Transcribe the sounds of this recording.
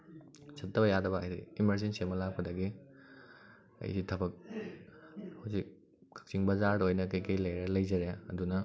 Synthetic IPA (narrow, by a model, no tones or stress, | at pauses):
sɐtʰːɐbɐjadɐbɐ̰ːjdḭimɐɾzinsemɐlak̚pʰɐdɐɡi | ɐ̰jditʰɐbɐk̚ | hawzik̚ | kʰɐ̥k̚t͡ʃiŋbɐzaɾdɐojnɐkɐjkɐjlɐjɾɐlɐjzɐɾeɐdunɐ